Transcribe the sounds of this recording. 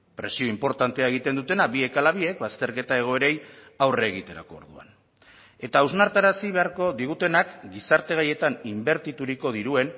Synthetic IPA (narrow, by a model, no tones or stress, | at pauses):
pɾe̞sio̞impo̞ɾt̪ant̪e̞aeɣ̞it̪e̞nd̪ut̪e̞nabie̞kalaβie̞k̚βast̪e̞ɾke̞t̪ae̞ɣ̞o̞e̞ɾe̞jawre̞ːɣ̞it̪e̞ɾa̰ko̞̰ːɾðua̰n | e̞t̪auznaɾt̪aɾasiβe̞aɾko̞ðiɣ̞ut̪e̞nakɡisaɾt̪e̞ɣ̞aje̞t̪animbe̞ɾt̪it̪uɾiko̞ð̞iɾue̞n